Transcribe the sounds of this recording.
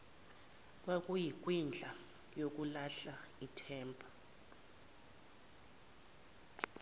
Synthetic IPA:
k̬ʼwak̬ʼujik̬ʼwind͡ɮʱa | jok̬ʼulaɬaitʰɛːmbʰʱʼɔ

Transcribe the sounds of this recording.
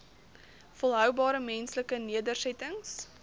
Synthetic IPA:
fəlˠɦœwbɑːɾəmɛnsləkəniədərsɛtəŋs

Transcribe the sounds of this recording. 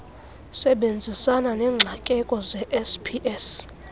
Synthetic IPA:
sɛɓend͡zʱisananɛːŋ͡ǁʱakʼɛkʼɔzɛʔɛspʰiʔɛs

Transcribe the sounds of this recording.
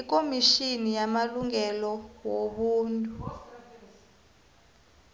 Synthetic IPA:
ik̬ʼomiʃinijamaluŋɛlɔwoɓuːntʼu

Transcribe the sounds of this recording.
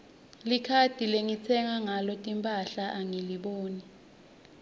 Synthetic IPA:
likʰad̥ʱileŋit͡sʰɛŋaŋalɔtʼimpʼaɬaʔaŋiliɓoːni

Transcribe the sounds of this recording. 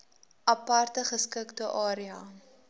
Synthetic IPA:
ʔɐpɐrtəχəskəktəʔɑːɾiɐ

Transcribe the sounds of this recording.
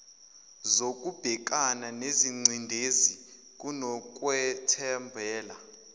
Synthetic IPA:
zokʼub̥ʱɛk̬ʼananeziŋ͡ǀʱindʱezi | k̬ʼunɔk̬ʼwɛtʰɛmbʱɛːla

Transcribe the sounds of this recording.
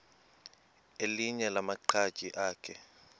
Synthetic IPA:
eliɲɛlamaǃʰḁt͡ʃʼiʔaːkʰɛ

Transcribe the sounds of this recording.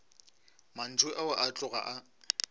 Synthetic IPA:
man̩t͡swɪʔaʊʔat͡ɬʼʊɣa̰ʔa

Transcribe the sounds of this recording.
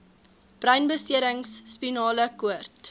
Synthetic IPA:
b̥rœɥnbəstiəɾəŋsːpinɑːləkuərt

